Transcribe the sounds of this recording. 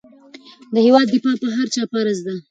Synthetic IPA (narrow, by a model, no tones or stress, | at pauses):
d̪əhewɑd̪ːɪfɑpəɦaɾt͡ʃɑpaɾazd̪a